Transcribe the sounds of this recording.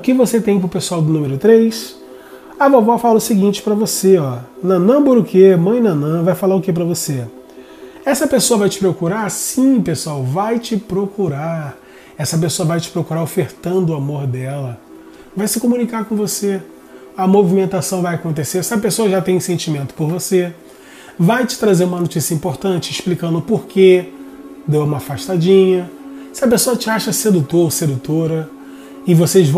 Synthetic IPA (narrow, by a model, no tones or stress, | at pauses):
ʊkɪvoset̪ẽj̃p̬ɾʊpesuawd̪ʊnũmeɾʊt̪ɾejs | avovɔfalɐʊsɪɡĩnt͡ʃɪ̥pɾɐvoseɔnɐ̃nɐ̃boɾʊkʰemɐ̃j̃nɐ̃nɐ̃vajfalaɾʊkep̬ɾɐvose | ɛsɐpesoɐvajt͡ʃɪ̥pɾokuɾaɾsĩpesuawvajt͡ʃɪpɾokuɾa | ɛsɐp̬esoɐvajt͡ʃɪ̥pɾokuɾaɾofeɾt̪ɐ̃nd̪ʊamoɾd̪ɛlɐ | vajsɪkomũnikaɾkõvose | ɐmovimẽnt̪asɐ̃w̃vajakõnt̪̬eseɾsɪɐpesoɐʒat̪ẽj̃sẽnt͡ʃimẽnt̪ʊ̥poɾvose | vajt͡ʃɪ̥t̪ɾazeɾũmɐnot͡ʃisijɐĩmpoɾt̪ɐ̃t͡ʃɪɪʃplikɐ̃nd̪ʊpoɾke | d̪ewũmɐafaʃt̪ad͡ʒĩɲɐsɪɐpesoɐt͡ʃɪaʃɐsed̪ut̪oɾsed̪ut̪oɾɐ | ɪvoseʒv